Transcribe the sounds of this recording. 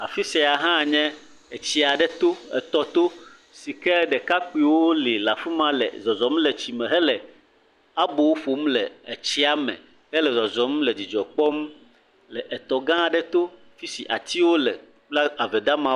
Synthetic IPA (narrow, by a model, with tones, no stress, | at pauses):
a̰˨fi˦sɛ˨a˨ɦã˦˨ɲɛ̃˦ | e˨t͡ɕi˦a˨ɖɛ˦t̪o˦ɛ̰˨t̪ɔ˨t̪o˦ | si˨kɛ˦ɖɛ˨ka˦k͡pi˦wo˦oli˨la˨fi˦mã˦lɛ̰˨zɔ˨zɔ˨m˦lɛ˨t͡ɕi˨mɛ̃˨ɦɛ˦lɛ˨ | a˦bo˨wo˦fo˨mlɛ˨e˨t͡ɕi˦a˦mɛ̰˨ | hɛ˦lɛ˨zɔ˨zɔ˨m˦lɛ˨d͡ʑi˨d͡ʒɔ˨k͡pɔ˦m˦ | lɛ˨ʔɛ˨t̪ɔ˨ɡã˦˨ɖɛ˦t̪o˦ | fi˦si˨ʔa̰˨t̪i˦wo˦lɛ˨ | k͡pla˦a˨vɛ˨d̪a˦mã˦